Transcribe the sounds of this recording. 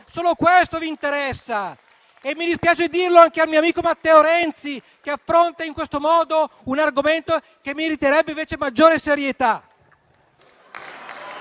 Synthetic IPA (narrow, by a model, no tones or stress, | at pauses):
soːlokwest̪oviːnt̪eɾɛsːa | emːid̪ispjaːt͡ʃed̪irloaŋk̟ealmiːoamiːkomat̪ːɛːoɾɛnt̪si | k̟eafːɾont̪aiŋkwest̪omɔːd̪ounarɡoment̪o | k̟emːiɾit̪eɾɛbːeiɱveːt͡ʃemad͡ʒːoːɾeseɾjet̪a